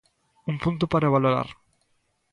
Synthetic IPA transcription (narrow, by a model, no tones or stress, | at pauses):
uŋpũnt̪̬upaɾaeβaloɾa̰ɾ